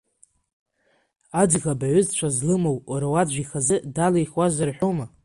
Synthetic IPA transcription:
ad͡zɣabaʕʷʏzt͡ɕʷʰazlɨmowaɾawad͡ʒʷiχazɨdalajχwazarħʷᶣoma

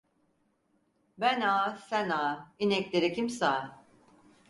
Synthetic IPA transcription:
bænaːsænaːinɛclʲeɾɛkʰimsaː

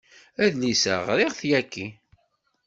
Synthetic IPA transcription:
æðlisə̰ʁɾɪʁθjækːi

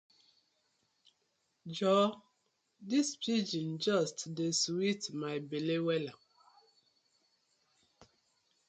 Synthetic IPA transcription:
d͡ʒɔ | dispʰid͡ʒĩnd͡ʒɔstdeswitmaɪbelewɛla

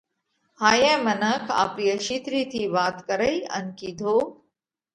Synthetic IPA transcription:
haːjẽːmɐnəkʰa̰ːpɾijəʃiːt̪ɾiːt̪ʰiʋaːt̪kɐɾəjiɐ̰nkiːd̪ʱoː

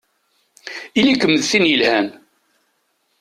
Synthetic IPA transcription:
ilikəmːəðθinjəlhæn

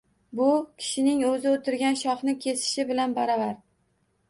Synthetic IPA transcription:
bʊkʲʰɪ̥ʃɪnɪŋɵzɪot̪ʰɪɾɡʲanʃɒχnɪkʲʰe̞sɪ̥ʃɪbɪlanbaɾɒvaɾ

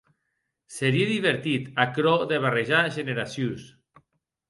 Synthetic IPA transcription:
seɾieðiβeɾt̪it̪akɾɔðeβ̞areʒaʒeneɾasjus

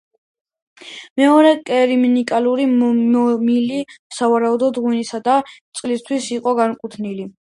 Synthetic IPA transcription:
mɛɔɾɛkʼɛɾiminikʼaluɾimɔmilisavaɾaud̪ɔd̪ʁwinisad̪at̪sʼlist̪ʰwisiqʼɔɡankʼut̪ʰnili

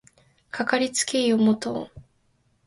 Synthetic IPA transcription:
kʰakaɾʲit͡sɨ̥kʲeiomot̪o

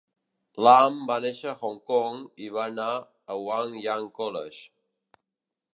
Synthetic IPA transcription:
lambaneʃəxɔŋkɔŋiβana | əwaŋjaŋkɔlə̰ʃ

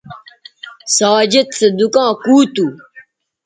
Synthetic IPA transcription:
saːd͡ʑet̪sɐd̪ukãːkuːt̪u

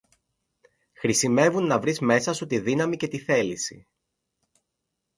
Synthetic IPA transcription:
xɾisime̞vunːɐvɾizme̞sɐsot̪iðinɐmice̞t̪iθe̞lisḭ

